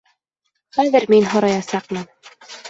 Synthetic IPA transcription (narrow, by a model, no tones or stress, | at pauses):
χæðɘɾminɦŏɾɑjɑsɑq̚mɤn